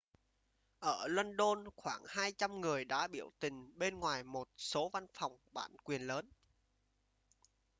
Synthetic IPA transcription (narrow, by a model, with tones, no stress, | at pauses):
ʔəː˧˩lwə˧nɗo˧nxwaː˧˩ŋhaː˧jt͡ɕa˧mŋɨ˨˩əjɗa̰ː˧˥ɓi˧˩əwt̪ï˨˩ŋ̟ɓe˧nŋwaː˨˩jmo˨˩t̚so˨˦va˧nfa˨˩wŋ͡mɓa̰ː˧˩nkwi˨˩ənləː˨˦n